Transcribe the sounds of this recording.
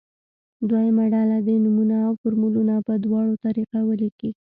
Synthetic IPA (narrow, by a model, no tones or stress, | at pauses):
d̪wajamaɖɑlad̪enumunaːwfoɾmulunapəd̪wɑɽot̪aɾiqawəliki